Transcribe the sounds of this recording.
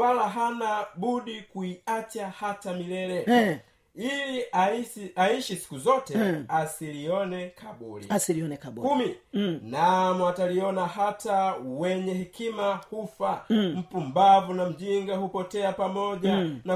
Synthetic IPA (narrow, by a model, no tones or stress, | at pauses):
alaɦanaɓuɗikuiat͡ʃahatamilɛɾɛ | iliaaiʃisi̥kuzɔtɛasiliɔnɛkʰaɓṵlḭsiiɔnɛkakuminamɔataliɔnaɦatawɛɲɛhɛkimahufam̩pumbavunam̩ʄiŋɡahupɔtɛapamɔʄana